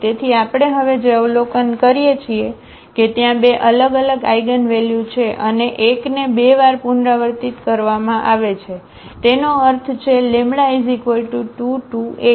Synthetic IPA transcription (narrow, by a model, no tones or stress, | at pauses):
t̪et̪ʰiapɽ̃eɦəʋed͡ʒeəʋlokənkəɾijet͡ʃʰie | ket̪jãbeʔələɡələɡaiɡənʋɛljut͡ʃʰeʔəneʔeknebeʋaɾpunɾaʋəɾt̪it̪kəɾʋamãʔaʋet͡ʃʰe | t̪enoəɾt̪ʰt͡ʃʰelemɽaizikolʈuʈuʈue